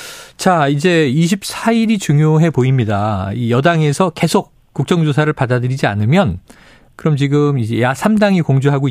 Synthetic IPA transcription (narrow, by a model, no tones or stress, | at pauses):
t͡ɕaid͡ʑe̞iɕ̬ʰip̚s͈ʰaiɾit͡ɕuŋjoɦe̞poimɲidaijʌdaŋe̞sʰʌke̞sʰok̚ | k͈uk̚t͡ɕ͈ʌŋd͡ʑosʰaɾɯɭpadadɯɾid͡ʑia̰nɯmjʌn | kɯɾʌmt͡ɕiɡɯmid͡ʑe̞jasʰamdaŋikoŋd͡ʑuɦaɡoi